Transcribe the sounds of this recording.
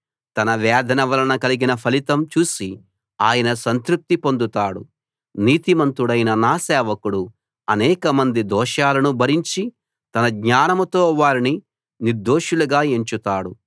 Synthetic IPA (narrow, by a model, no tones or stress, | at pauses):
t̪ɐnɐʋɛːd̪ʱɐnɐʋɐlɐnɐkɐliɡinɐpʰɐlit̪ɐmt͡ʃuːsi | aːjɐnɐsɐnt̪ɾup̚t̪ipond̪ut̪aːɽṵ | niːt̪imɐnt̪uɽɐjnɐnaːsɛːʋɐkuɽu | ɐnɛːkɐmɐnd̪id̪ɔːʃaːlɐnubʱɐɾiɲt͡ʃi | t̪ɐnɐɡɲaːnɐmɐt̪o̞ːʋaːɾini | niɾd̪oːʃuluɡaːeɲt͡ʃut̪aːɽu